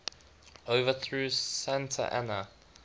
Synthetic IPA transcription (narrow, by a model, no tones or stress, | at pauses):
oʊvəθɹuːsæ̃ntʰə̰ʔa̰nə